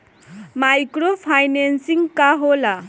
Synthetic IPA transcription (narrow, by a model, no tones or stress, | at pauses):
majkɾopʰajnensiŋkaɦola